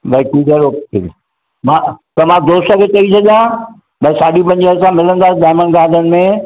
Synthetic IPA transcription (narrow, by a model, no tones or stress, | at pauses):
bɐikiːzəɾoːki | mãt̪ɐmãd̪oːsəket͡ɕɐisɐʄã | ɓɐisaːɗipɐ̃ɲd͡ʑəsãmɪlə̃nd̪aːsɪd̪aːmənɡaːd̪ʱənɪ̆mẽ